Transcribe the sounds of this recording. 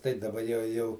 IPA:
tɐɪ dɐˈbɐ jɛʊ ˈjɛʊ

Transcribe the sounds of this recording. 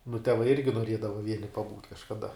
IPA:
nʊ tʲɛˈʋɐɪ ˈɪrʲɡʲɪ noːˈrʲiɛdɐʋɐ ˈʋʲiɛnʲɪ pɐˈbuːtʲ kɐʃkɐˈdɐ

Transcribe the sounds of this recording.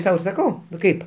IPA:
ˈtɐʊ ɪr sɐˈkɐʊ ˈkɐɪp

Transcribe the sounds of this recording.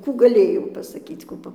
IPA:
ˈkuː ɡɐˈlʲeːjɛʊ pɐsɐˈkʲiːt͡s ˈkuː ˈpɐ

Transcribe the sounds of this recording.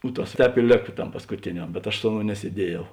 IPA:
ʊ ˈtɐs ˈtʲɛːp ɪ ˈlʲeːkɐ ˈtɐm pɐskʊˈtʲeːnʲɛm bʲɛt ɐʃ ˈsʊ ɐˌnoːʊ nʲɛsʲiɛˈdʲiɛjɛʊ

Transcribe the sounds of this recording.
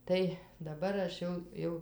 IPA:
ˈtɐɪ dɐˈbɐr ɐʃ ˈjɛʊ ˈjɛʊ

